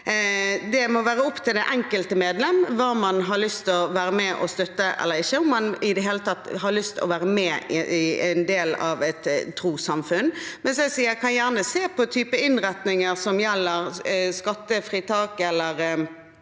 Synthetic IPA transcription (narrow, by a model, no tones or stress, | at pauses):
d̪ɛmɔʋæːɾəʊpt̪ʰɪld̪ɛʔɛŋkəlt̪əmeːd̪lɛmʋɑːmɑnɦɑlʏst̪ɔʋæːɾəmɛʔɔ̰st̪œt̪ːəʔɛ̰lːəɾɪçːəʊmːɑnɪd̪ɛɦeːlət̪ʰɑt̪ːɦɑɭʏst̪ɔ̰ʋæːɾəmɛːɪɪænd̪eːlɑ̰ʋɛt̪ʰːɾuːsɑmfʉnmɛnsɛsiːɛkʰɑnjæːʁnəseːpʰɔt̪ʰyːpəɪnɾɛt̪nɪŋəɾsɔmjɛlːəɾskɑt̪ːəfɾiːt̪ʰɑːkɛlːəɾ